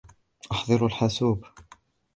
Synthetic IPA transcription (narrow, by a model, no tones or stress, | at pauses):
ʔɑħd̪ˤɨɾalħasuːb